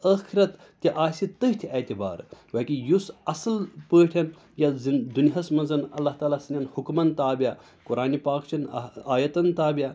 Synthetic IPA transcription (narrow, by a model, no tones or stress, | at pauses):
ɐːxiɾɐt̪ːʲiʔaːsit̪əɦt̪ʰieːt̪iba̰ːɾʋɐːkijusɐsɐlpəːʈʰʲɐn | jaznd̪uniɦɐsmɐnzɐnɐlːaht̪aːlasɐnʲjaːnhukmɐnt̪aːbia | kʊɾaːnipaːkt͡ʃʰɐnaːjɐt̪ɐnt̪aːbia